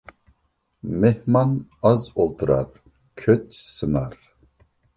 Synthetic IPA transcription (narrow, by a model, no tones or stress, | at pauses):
mɛhmanazolˠt̪ʰuɾa̰ɾ | kʰøt̪ʰsɨnaɾ